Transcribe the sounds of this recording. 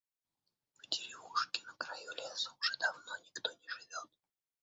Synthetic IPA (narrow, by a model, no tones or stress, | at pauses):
vd̪ʲɪɾʲɪvuʂkʲɪnəkɾajulʲesəʊʐɛd̪ɐvnonʲɪkt̪onʲɪʐɨvʲot̪̚